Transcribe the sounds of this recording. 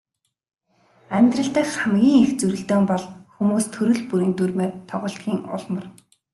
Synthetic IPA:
æmʲt̪rə̆ɬt̪ə̆kχamɡʲiːŋixt͡suɾɘ̆ɬt̪oːmpɔɮxumuːst̪ʰɵɾɵ̆ɮpuɾiːnt̪urmeːt̪ʰɔʁʊ̆ːɬt̪̚ɡʲiːŋʊ̰ɮmə̆r

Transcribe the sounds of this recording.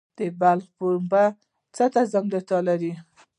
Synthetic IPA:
d̪̥əbalχpoɾumba | t͡sat̪azaŋɡlət̪ɑlaɾi

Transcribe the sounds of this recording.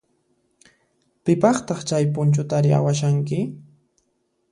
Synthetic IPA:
pɪpɑχt̪ɑχt͡ʃajpʊnt͡ʃʊt̪aɾɪʔa̰waʃaŋkɪ

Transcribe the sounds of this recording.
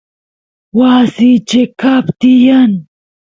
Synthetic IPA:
waːsit͡ʃekapt̪ijɐn

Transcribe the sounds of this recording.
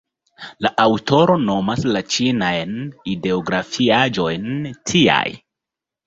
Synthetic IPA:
laʔawto̞ɾo̞no̞maslat͡ʃinajnide̞oɡɾafiad͡ʒo̞jntʰia̰j

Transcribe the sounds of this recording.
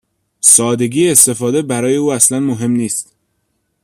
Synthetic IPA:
sɒːd̪e̞ɡʲiːest̪e̞fɒːd̪e̞bæɾɒːje̞uːæslænmoɦe̞mniːst̪

